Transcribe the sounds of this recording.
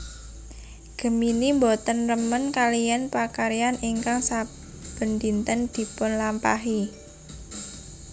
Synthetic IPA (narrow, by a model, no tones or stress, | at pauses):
ɡ̥ə̤minimbɔt̪ənrəmənkalijɛnpakaɾijanʔiŋkaŋsa | b̥ə̤nd̪int̪ənd̪̥i̤pʊnlampaɦi